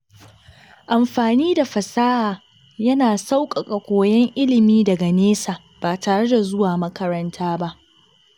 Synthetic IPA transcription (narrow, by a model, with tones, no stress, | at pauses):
ʔa˨mɸaː˨niː˦da˨ɸɐ˨saː˦haː˨ | jɐ˦naː˨sa˦wkʼɐ˨kʼɐ˨kʷoː˨jɛ˦ŋʔɪ˦lɪ˨miː˦dɐ˨ɡa˨neː˦saː˨ | b̥aː˨taː˨ɽe˦da˨zʊ˦waː˨mɐ˦kɐ˦ɾɐ˦ntʰaː˦ba˦ʔ